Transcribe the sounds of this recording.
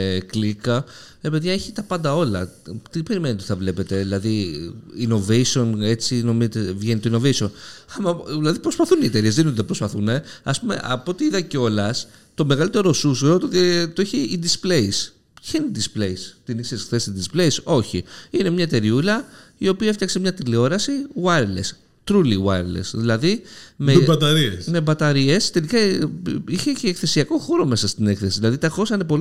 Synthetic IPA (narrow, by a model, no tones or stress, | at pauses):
klikɐɾe̞pe̞ðʝɐeçit̪ɐpɐnd̪ɐo̞lɐ̰t̪ipe̞ɾimeniot̪i̥θɐvle̞pe̞t̪e̞ðilɐðiino̞veisio̞ne̞t͡sino̞mizet̪evʝenit̪oino̞ve̞isio̞nɐmɐðilɐðipɾospɐθuniet̪e̞ɾie̞zðeiint̪pɾo̞spɐθune̞ɐspume̞̰ʔɐ̰poot̪iiðɐceo̞lɐs | t̪o̞me̞ɣɐlit̪e̞ɾo̞susuot̪t̪t̪oeçid̪ispleis | çeind̪isple̞ist̪inisesxθesid̪isple̞iso̞çḭine̞mɲɐet̪e̞ɾiulɐio̞piɐeft̪jɐksemɲɐt̪ilio̞ɾɐsiwɐɾlḛs | t̪ɾuliwɐ̰ɾlḛsðilɐðimebɐt̪ɐɾiesnebɐt̪ɐɾiest̪e̞likɐ | içeeːkθe̞siɐko̞xo̞ɾo̞me̞sɐst̪ine̞kθesiðilɐðit̪ɐxo̞sɐinepo̞li